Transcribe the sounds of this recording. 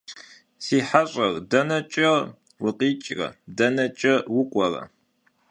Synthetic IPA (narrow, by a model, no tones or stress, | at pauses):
siːħaɕʼɐrdɐnɐt͡ʃʼɐ | wʊqʼiːt͡ʃʼrɐ̰dɐnɐt͡ʃʼɐwʊkʷʼɐrɐ̰